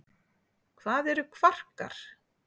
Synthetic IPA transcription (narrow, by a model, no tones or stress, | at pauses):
kʰvaːðɛɾʏkʰvar̥ka̰ɾ̥